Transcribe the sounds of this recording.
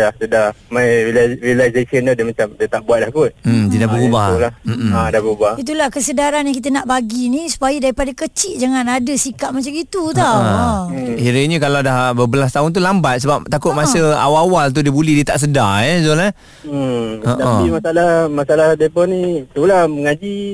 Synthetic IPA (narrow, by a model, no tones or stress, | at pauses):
lahsədamajɾilɾilajzesənt̪udiəmat͡ʃamdət̪aʔbuat̪̚dakut̪̩̚ːdiədahbəubaulammadabəubait̪̬ulahkəsədaɾanjãŋk̬it̪̬ənaʔbaɡinisu̥pajədaɾipadakət͡ʃiʔ̚d͡ʒaŋanadəsikaʔ̪̚mat͡ʃamit̪ut̪a | hiɾəɲəkalawdahbəbəlas̬t̪aʊnt̪̬ulambat̪̚səbap̚t̪akʊt̪̚masəa̰wawalt̪̬udiəbulihdiət̪aʔs̬ədajɛzola | aʔt̪apimasalamasalahdepɔnĩt̪ulahməŋad͡ʒi